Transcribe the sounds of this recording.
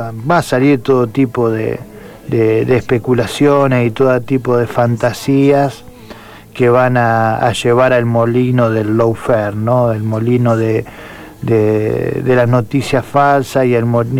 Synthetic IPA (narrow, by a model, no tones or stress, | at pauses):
baːsaliɾt̪oðot̪ipo̞ðḛ | d̪eðeespekulasjonesit̪oðot̪ipo̞ðe̞fant̪asias | keβana̰ːʒeβaɾalmo̞linoðelːowfeɾnoelmolinoðe | d̪eðelasnot̪isjasfalsasielmo